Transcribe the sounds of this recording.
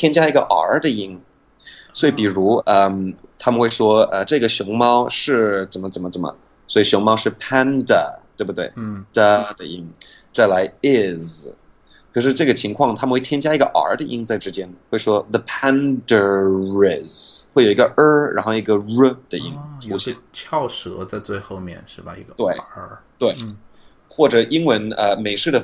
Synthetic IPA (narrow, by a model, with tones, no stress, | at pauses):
t̪ʰjɛ˥nt͡ɕja˥i˧˥ɡə˧ʔə̰˧˥d̪ə˨i˥ŋ | sswɔ˧˥i˧˥˩pi˨˩ɻu˧˥ə˧mt̪ʰa˥mə˨nxwe˥˩ʂwɔ˥ə˧ʈ͡ʂɤ˥˩ɡə˩ɕjʊ˧˥ŋmɑ˥ʊʂɻ̩˥˩t͡sə˨˩nmə˦t͡sə˨˩nmə˦t͡sə˨˩mə̰˦ | swɔ˧˥i˨˩ɕjʊ˧˥ŋmɑ˥ʊʂɻ̩˥˩pʰa˥nd̪ə̰˨t̪we˥˧ɪbu˧˩t̪wḛ˥˩ɪd̥̪ə˨də˩i˧˥ŋt͡sa˥˩ɪla˧˥ɪɪ˥˩z | kʰɤ˨˩ʂ̬ɻ̩˥˧ʈ͡ʂɤ˥˩ɡə˩t͡ɕʰi˧˥ŋkʰwɑ˥˩ŋt̪ʰa˥mə˧nxwe˥˩ɪt̪ʰjnt͡ɕja˥i˧˥ɡə˧ʔə̰˧˥d̪ə˧ʔi˥ŋt͡sa˥˩ɪʈ͡ʂɻ̩˥t͡ɕjɛ˥nxwe˥˩ɪʂwɔ˥ðə˧pʰæ˥ndə˨˩ɹɪ˨˩zwe˥˩jo˨˩˧ɡə˧ʔə˥ɻʔa̰˧˥nxo˥˩i˧˥ɡə˧ɻə˥d̪̥ə˩i˧˥ŋʈ͡ʂʰu˥ɕɛ̰˥˩t͡ɕʰjɑ˥˧˩ʊʂɤ˧˥t͡sa˥˧ɪt͡swe˥˧ɪxo˥˧ʊmjɛ̰˥˩nʂɻ̩˥˩ba˩ḭ˧˥ɡə˧t̪we˥˩ɪə˧˥t̪we˥˩ɪ | xwɔ˥˩ʈ͡ʂɤ˨˩ʔi˥ŋwə˧˥nə˧me˨˩ɪʂɻ̩˥˩d̪ə˩